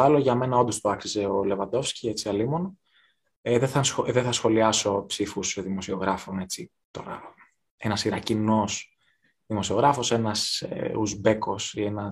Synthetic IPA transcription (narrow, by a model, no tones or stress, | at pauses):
ɐloʝɐme̞nɐod̪ost̪oɐksize̞o̞le̞vɐnd̪o̞fscie̞t͡siɐlimo̞n | ðeθɐnsoðeθɐsxo̞liɐso̞psifusðimo̞sio̞ɣɾɐfo̞ne̞t͡si | t̪o̞ɾɐ̰ | e̞nɐsiɾɐcino̞s | ðimo̞sioɣɾɐfo̞senɐsḛuzbe̞ko̞sie̞nɐ